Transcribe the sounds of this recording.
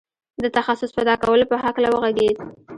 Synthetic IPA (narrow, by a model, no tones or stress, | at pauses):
d̪ət̪axasʊspad̪ɑkawəlopəɦaklawəɣaɡed̪